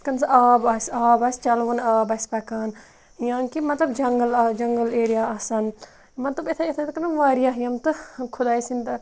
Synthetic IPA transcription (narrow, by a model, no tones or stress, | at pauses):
kɐnsaːbaːsʲaːbɐsʲt͡ʃɐlʋɐnaːbɐsʲpɐkaːn | jãːnkimɐt̪lɐbd͡ʒɐŋɡəld͡ʒɐŋɡəleːɾijaːɐsɐn | mɐt̪lɐbet̪ʰɐet̪ʰɐt̪kɐnɐʋaːɾijaːjɐmt̪ɨkʰud̪aːisint̪ɐ